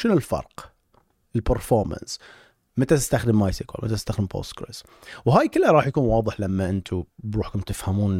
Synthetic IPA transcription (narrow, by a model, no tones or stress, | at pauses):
ʃɪnʊlfɑ̰ɾˤq | ɪlpəɾfoːɾma̰ns | mat̪at̪ɪ̥st̪axd̪ɪmʔajsikwa̰lmat̪at̪ɪst̪axd̪ɪmpʰo̰ːst̪kɾḛs | whaːjkɪlːaɾˤɑːħjakuːnwɑːðˤɨħlamːaʔɪnt̪ʰubɾuːħkʊmt̪ɪfhamuːn